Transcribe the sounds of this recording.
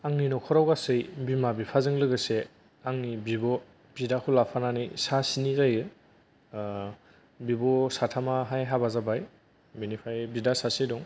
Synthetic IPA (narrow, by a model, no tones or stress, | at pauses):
aŋninɔkʰɔɾawɡasɯjbimabipʰazɯŋlɯɡɯse | aŋnibibɔ | b̥idakʰulapʰananijsasinizajɯ | bibɔsatʰamaɦajɦabazabaj | binipʰajbidasasidɔŋ